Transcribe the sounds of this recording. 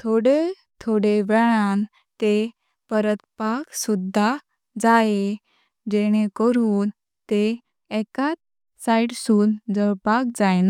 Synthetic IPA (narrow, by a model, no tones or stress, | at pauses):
t̪ʰoɽe | t̪ʰoɽeʋɛɭan | t̪e | pəɾət̪paksud̪ʱa | d͡zae | d͡ʑeɽ̃ekəɾuːn | t̪e | ɛkat̪̚ | saiʈsuːnd͡zəɾpak̚d͡zajna